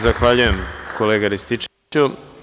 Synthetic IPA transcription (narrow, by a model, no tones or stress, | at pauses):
zaxʋaʎuje̞mkoleːɡaɾist̪it͡ʂ | u